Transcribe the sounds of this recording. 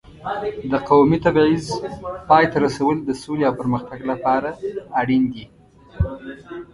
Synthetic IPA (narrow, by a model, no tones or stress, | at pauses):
d̪əqawmit̪abʕizpɑjt̪aɾasawəld̪əsoleawpəɾməxt̪aɡlapɑɾaːɽind̪i